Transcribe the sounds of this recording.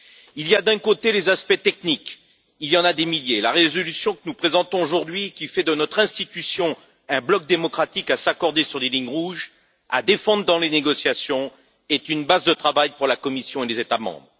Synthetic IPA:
ilijad̪ɛ̃kot̪elezaspɛt̪ɛknik | iljɑ̃nad̪emiljelaʁezɔlysjɔ̃kənupχezɑ̃t̪ɔ̃oʒuʁd̪ɥikʲifɛd̪ənɔt̪χɛ̃st̪it̪ysjɔ̃ | ɛ̃blɔk̚d̪emɔkχat̪ikasakɔʁd̪esyʁleliɲʁuʒ | a̰d̪efɑ̃d̪ʁd̪ɑ̃leneɡɔsjasjɔ̃ | ɛt̪ynbazd̪ət̪χavajpuʁlakɔmisjɔ̃elezet̪amɑ̰̃bʁ

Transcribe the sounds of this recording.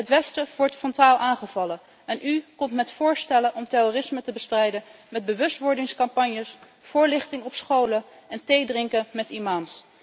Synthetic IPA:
ɦətʋɛstəʋɔɹtfɔntaːlˠʔaːnχəvɑlə | ɛnʔykɔmtmɛtfʊːɹstɛlənʔɔmtɛrorɪsmətəbəstrɛjdənmɛd̚bəʋɵstʋɔɹdɪŋskɑmpɑɲjəs | fʊːɹlɪχtɪŋɔpsχowləɛntejdrɪŋkəmɛtimaːms

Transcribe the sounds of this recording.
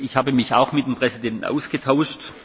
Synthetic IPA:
ɪçhaːbəmɪça̰ʊxmɪt̚d̥empʁ̥ɛzidɛntn̩ʔa̰ʊsɡ̥ətʰaʊʃt

